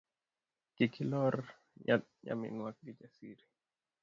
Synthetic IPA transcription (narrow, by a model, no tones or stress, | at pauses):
kikʰilɔɾ | jaɲa̰mḭnwak̚did͡ʒasiɾi